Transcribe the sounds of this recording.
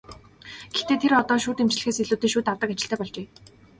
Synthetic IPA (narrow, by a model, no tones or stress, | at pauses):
ɡ̥ext̪eːt̪ʰeɾɔt̪ɔːʃuːt̪emt͡ɕɮɘ̆xeːseɮuːt̪eːʃuːt̪awt̪ə̆kat͡ɕɪ̆ɬt̪ʰæːpɔɮt͡ɕeː